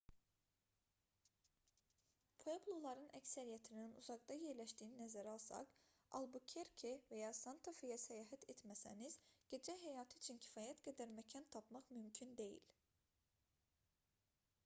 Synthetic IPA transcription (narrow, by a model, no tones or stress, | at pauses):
pʰoeplˠolˠɑɾɯnæcsæɾijæt̪ʰininṵzɑʁd̪ɑje̞ɾlæʃd̪iːninæzæɾɑlˠsɑ̰q | ɑ̰lˠbucʰeɾkʰevæjɑːsɑnt̪ʰofijɑsæjɑːɦæt̪ʰet̪mæsæniz̥ɟ̥e̞d͡ʒæɦæjɑːt̪ʰɯːt͡ʃʰincʰi̥fɑːjæt̪ɡæd̪æɾmæcʰɑnt̪ʰɑpʰmɑχmymcʰynd̪e̞jḭl